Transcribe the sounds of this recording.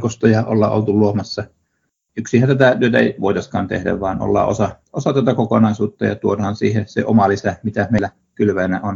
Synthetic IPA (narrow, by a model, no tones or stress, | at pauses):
kost̪ɑjɑʔo̰lːɑ̰ʔʔo̰lt̪uluomɑsːɑ | yksihænt̪æt̪æt̪yøt̪æḛˑiʋoˑit̪ɑskɑ̰ːnt̪ḛhdæ̰ʋʋɑːno̰lːɑ̰ːʔo̰sɑʔosɑt̪æt̪ækokonɑˑisuːt̪ːɑjɑ̰t̪uodɑhɑnsiːhesḛʔomɑlisæmit̪æmeˑlːæ | kylʋæinæ̰on